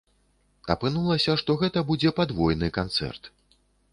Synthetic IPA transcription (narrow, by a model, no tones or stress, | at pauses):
ɐ̰pɨnulˠɐsʲɐʂt̪ɔɣɛt̪ɐbud͡zʲɛpad̪vɔjnɨkant̪sɛ̰rt̪